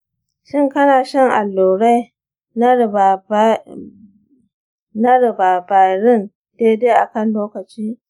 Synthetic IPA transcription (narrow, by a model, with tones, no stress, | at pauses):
ʃɪ˦ŋkɐ˦naː˨ʃɪ˦ŋʔa˨lːoː˨ɽa˦j | nɐ˦ɾɪ˨baː˨ba˨ɾɪ˦n | deː˦deː˦ʔa˨kɐ˦˨nloː˦kɐ˨t͡ʃiː˦